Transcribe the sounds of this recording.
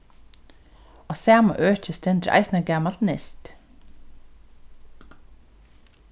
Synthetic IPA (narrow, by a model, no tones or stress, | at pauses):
asæːma̰ʔøːt͡ʃəst̪ɛnt̪ɾʔɑ̰ɪsnaɡæːmalt̪nɪ̰st̪